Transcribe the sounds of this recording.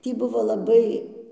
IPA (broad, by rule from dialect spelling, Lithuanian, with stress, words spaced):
ˈtʲiː ˈbʊʋoː lˠɐˈbɐɪ